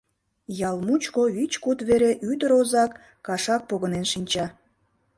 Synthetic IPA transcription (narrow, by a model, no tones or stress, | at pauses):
jɑlmut͡ɕkoit͡ɕkut̪βeɾeʔyd̪əɾozɑkː | ɑʃɑk̚poɣənenʃinʲt͡ɕɑ